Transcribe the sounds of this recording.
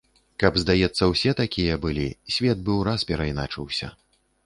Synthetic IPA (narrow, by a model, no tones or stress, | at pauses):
kɐbzd̪ajɛt̪sːɐwsʲɛt̪akʲijɐbɨlʲisʲvʲɛt̪̚bɨwɾaspʲɛɾɐjnat͡ʂɨwsʲɐ̰